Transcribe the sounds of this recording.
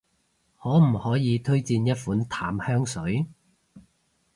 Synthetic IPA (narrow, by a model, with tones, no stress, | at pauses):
hɔː˨˥m̩˨˩hɔː˨˥jiː˨˧t̪ʰɵ˥ɥt͡siː˧njɐ˥t̚fuː˨˥nt̪ʰaː˨˥mhœː˥ŋsɵ˨˥ɥ